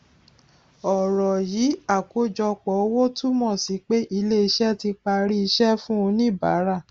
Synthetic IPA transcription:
ɔ˨ɾɔ˨ji˨˦a˦˨ko˦d͡ʒɔ˧k͡pɔ˨˦wo˦tu˦mɔ̃˦˨si˨˦k͡pe˦ʔi˧le˦i˧ʃɛ˦ti˧k͡pa˧ɾi˦i˧ʃɛ˦fũ˦o˧nĩ˦˨ba̰˨˦ɾa˦˨

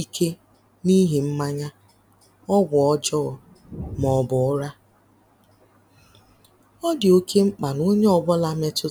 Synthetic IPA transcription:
i˦kʰe˦ | ni˦ɦi˨m̩˦ma˦ɲa˦ | ɔ˦ɡʷʊ˨ɔ˦d͡ʒɔ˦˨ | m˨ɔ˨bʊ˨ʊ˦ɾa˦ | ɔ˦dɪ˨o˦kʰe˦ŋ͡m̩˦k͡pa˨no˦ɲe˦ɔ˨bɔ˦la˦me˦tʊ˦

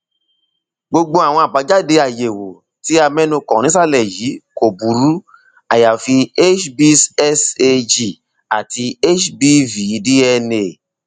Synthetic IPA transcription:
ɡ͡bo˧ɡ͡bo˧a˨w̃ɔ̃˧a˨ba˨˦d͡ʒa˦de˧a˨je˨wo˨ | ti˨˦a˧mɛ̃˦nũ˧kɔ̃˨ñĩ˨˦s̬a˦˨lɛ˨ji˨˦ko˨bu˨˦ɾu˨˦ | a˨ja˨fi˧e˦t͡ʃbi˦sɛ˦se˧d͡ʒi˨ | a˨ti˧e˦t͡ʃbi˦vi˨˦di˦ɛ˧ne˨

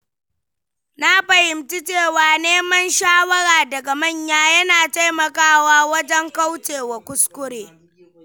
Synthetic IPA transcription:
na˦ɸɐ˨hɪ˨mti˦t͡ʃeː˦˨waː˨neː˦mɐ˦nʃaː˦wɐ˦ɽaː˨dɐ˨ɡa˨mɐ˦˨ɲjaː˦jɐ˦naː˨ta˦jmɐ˨kaː˦waː˦wɐ˦d͡ʒɛ˦ŋka˦wt͡ʃeː˨wa˨kʷʊ˦skʷʊ˦ɽeː˨

